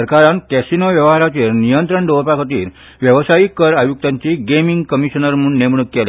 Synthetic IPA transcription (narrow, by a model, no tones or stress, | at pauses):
əɾkaɾankɛsinɔʋjəʋɦaɾat͡ɕeɾnijənt̪ɾəɳɖoɭpakʰət̪ḭːɾ | ʋjəʋsaikːəɾajuk̚t̪aɲt͡ɕiɡemiŋɡkəmiɕənəɾməuːɳːemɳukːel